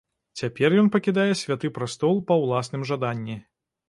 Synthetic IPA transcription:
t͡sʲapʲɛrjɔnpɐkʲid̪ajɛsʲvʲat̪ɨpɾast̪ɔlˠpɐwlˠasnɨmʐad̪anʲːi

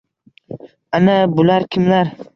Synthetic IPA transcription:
anabʊlaɾkʲʰɪmlaɾ

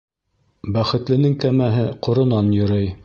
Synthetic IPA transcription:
bæχɘ̆t̪lɘ̆nɘŋkæmæɦɘqŏɾŏnɑnjŏɾɤj

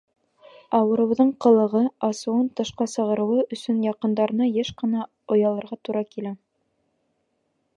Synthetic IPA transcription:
ɑwɤ̆ɾɤ̆w̆ðɤɴqɤ̆lˠɤ̆ʁɤɑsɤ̆wɤnt̪ɤ̆ʃqɑsɤ̆ʁɤ̆ɾɤ̆wɤʔɵ̆sɵnjɑqɤ̆nd̪ɑɾɤ̆nɑjæʃqɤ̆nɑ | ŏjɑlˠɤ̆ɾʁɑt̪uɾɑkilæ

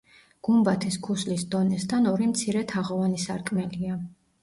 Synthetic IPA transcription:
ɡ̥umbat̪ʰisɡʰuslisd̪ɔnɛst̪ʰanɔɾimt̪sʰiɾɛt̪ʰaʁɔvanisaɾkʼmɛlia

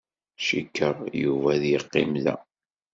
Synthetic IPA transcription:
ʃikːəʁjuvæðjəqːimlæ̰

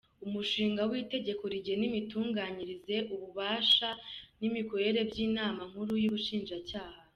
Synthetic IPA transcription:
umuʃiːŋɡawiːte̞ɟe̞ko̞ɾiɟe̞nimituːŋɡaːɲiɾize̞ʔuβuβaːʃanimiko̞ɾe̞ɾe̞bɟiːnaːmam̥huɾujuβuʃiːnʒacaːha

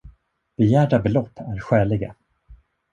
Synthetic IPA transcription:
b̥ɛjæːɖabɛlɔpʰːæɾɧɛːlɪɡa̰

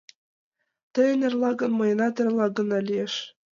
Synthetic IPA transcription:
t̪ɘ̆jɘ̆nʲɘ̆rlˠɑɡɤ̆nmɤ̆jɤnɑt̪ʲɘ̆rlˠɑɡɤ̆nɑlʲieʃ

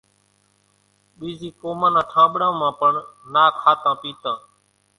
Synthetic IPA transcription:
ɓiːziːkoːmãːnãːʈʰãːɓɽãːmãːpəɳnaːkʰaːt̪ãːpiːt̪ãː

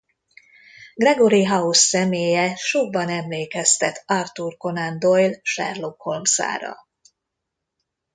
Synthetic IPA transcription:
ɡrɛɡoɾiɦɒusːɛmeːjɛʃoɡ̚bɒnɛmleːkɛst̪ɛt̪ʰɒrt̪urko̞nand̪ojlʃɛ̰rlokholmsa̰ːɾɒ̰

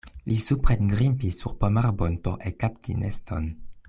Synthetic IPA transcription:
lʔisupʁenɡʁimpisuʁpomaʁbonpoɾekaptʰḭnʔesto̰n

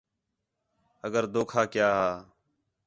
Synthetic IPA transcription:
əɡəɾd̪oːkʰaːkjaːɦaː

